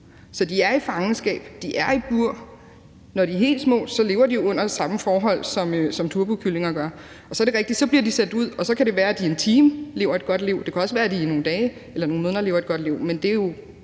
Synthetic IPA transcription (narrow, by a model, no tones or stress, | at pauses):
sɒ̽d̥iæɐifɑ̈ŋn̩sɡ̥ɛ̰ːb̥d̥iʔæɐib̥uɐ̰ | nɒd̥iɦe̝̰ːld̥smɔ̰̥̽ːsɒ̽le̝ːʊɐdijo̝ɔ̽n̰ɐsɑ̈məfɒːɦɒ̽l̰sɒ̽møsɒ̽mt͡sʰuɐb̥ukʰyle̝ŋɐɡ̥ɶɐ | ʔɒ̽sɒɐɾe̝ʁɛɡ̥d̥i̥sɒ̽b̥liɐd̥isædd̥uð̞̰ˠɒ̽sɒ̽kʰæɾe̝ʋæːɐæd̥ie̝nt͡sʰiːmle̝ʊ̰ɐed̥̚ɡ̥ɒ̽d̥liʊ̰d̥e̝kʰæɒ̽səʋæːɐd̥ino̝ːn̩d̥ɛːɪ | elɐno̝ːn̩o̝ðˠnɐle̝ːʊɐedɡ̥ɒ̽d̥liʊ̰mend̥e̝jo̝